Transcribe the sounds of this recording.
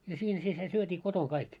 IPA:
jɑ siːn si se syøtʲiː kotoŋ kɑik

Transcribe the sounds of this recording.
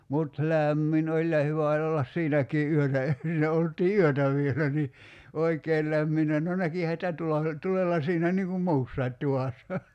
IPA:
mut læˑmːin olʲ jɑ hyʋæ olʲ olːɑs siːnækiː ʔyøtæ e siːnæ oltˑiː yøtæ ʋielæ ni oikeːl læmːinːæ no nækihæ sĭtæ tulɑ tulelːɑ siːnæ niːŋ kum muːsːɑit tuʋɑˑsːɑ

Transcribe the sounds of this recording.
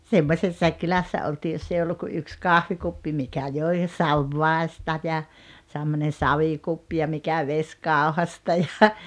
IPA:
semːosʲesːɑik kylæsːæ oltiː josː ei olːuk ku yks kɑhʋikupːi mikæ joi sɑʋːɑˑestɑ jɑ semːonen sɑʋikupːi jɑ mikæ ʋesʲkɑˑohɑstɑ jɑ

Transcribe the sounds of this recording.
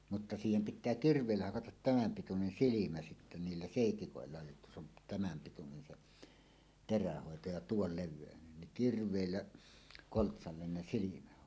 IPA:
mutːɑ siːhem pitˑæː kirʋˑeˑilːæ hɑkɑtɑt tæmæm pitunen silimæ sitːæ niːlːæ seˑitikoˑelːɑ jotːɑ se on tæmæm pitunen seʔ teræhoˑeto jɑ tuol leʋˑeˑønen niŋ kirʋˑeˑilːæ koltsɑlːen ne silimæhoˑeto

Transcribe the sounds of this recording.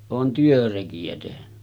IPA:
oːn tyørekiæ tehny

